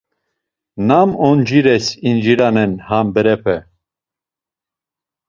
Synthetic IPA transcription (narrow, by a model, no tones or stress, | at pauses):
namɔnd͡ʒiɾɛsind͡ʒiɾanɛnhambəɾɛpʰɛ